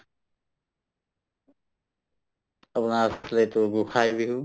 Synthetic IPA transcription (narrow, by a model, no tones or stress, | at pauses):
əpnaslet̪oɡʊkʰaːibʱiɦuː